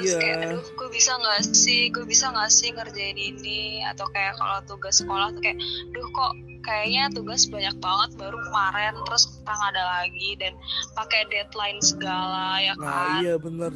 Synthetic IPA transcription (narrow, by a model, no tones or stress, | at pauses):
akajadʊhɡ̥uabisaŋɡasɪhɡuabisaŋɡasɪhŋərd͡ʒaɪninia̰t̪awkajaʔka̰lat̪uɡasːəkolaht̪ukajaʔdʊhkɔʔ | kajaʔɲat̪uɡasbaɲak̚baŋət̪̚baɾukəmaɾɛnt̪ɾʊst̪aŋadalaɡidanpakɛdɛt̪laɪnsəɡalajakaabənər